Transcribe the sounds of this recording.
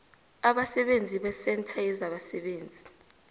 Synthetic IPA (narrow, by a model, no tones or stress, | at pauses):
aɓasɛɓend͡zʱiɓɛsɛntʰaɛzaɓasɛɓeːnd͡zʱi